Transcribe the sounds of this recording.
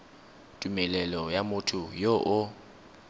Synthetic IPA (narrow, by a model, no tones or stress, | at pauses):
tʼumɛlɛlɔjamʊtʰʊjoʔʊ